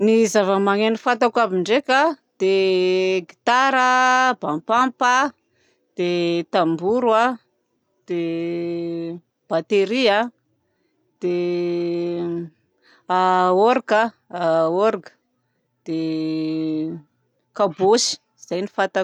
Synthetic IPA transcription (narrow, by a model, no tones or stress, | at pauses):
nizavəmaŋenifat̪akabiɳɖ͡ʐekʲad̪̥eɡit̪aɾəb̥ampampə | d̪̥et̪ambuɾwa | d̪̥e | b̥at̪eɾia | d̪̥e | aoɾka | aoɾɡə̥ | d̪̥e | kabosi̥ | z̥ajnifat̪a